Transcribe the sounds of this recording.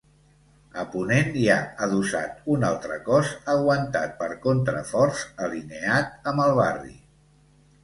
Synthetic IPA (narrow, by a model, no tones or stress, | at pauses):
əpunenjaəðusa̰t̪unalˠt̪ɾəkɔzəɣwənt̪a̰t̪̚pəɾkont̪ɾə̰fɔɾzəlineat̪̚əmbəlˠβarḭ